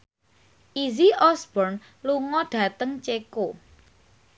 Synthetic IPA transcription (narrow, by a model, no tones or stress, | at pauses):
ʔiziʔɔsb̥ɔrn | luŋɔɖ̥ä̤t̪əŋt͡ʃeko